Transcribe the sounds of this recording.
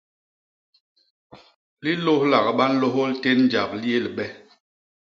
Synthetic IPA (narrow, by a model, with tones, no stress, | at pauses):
li˦lo˦hla˨ɣɓa˦n̩˦lo˦ɦo˦lte˦nn˦d͡ʒa˨pli˦e˦˨li˨ɓɛ˦